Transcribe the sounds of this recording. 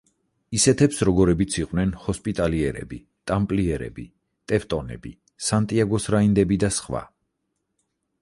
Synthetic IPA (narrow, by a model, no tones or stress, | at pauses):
isɛt̪ʰɛpsɾɔɡɔɾɛbit̪sʰiqʼwnɛnhɔspʼit̪ʼaliɛɾɛ̰bi | t̪ʼampʼliɛɾɛ̰bi | t̪ʼɛft̪ʼɔnɛ̰bi | sant̪ʼiaɡɔsɾaind̪ɛbid̪asχwa̰